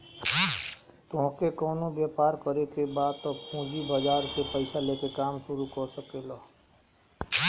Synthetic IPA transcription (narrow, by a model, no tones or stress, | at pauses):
t̪ɔ̃ːkekɔːnõbjɛːpaːɾkəɾekebaːd̪̚t̪ɔpũːd͡ʒibəd͡ʒaːɾsepəɪsaleːkekaːmsʊɾukɔɾsəkelaː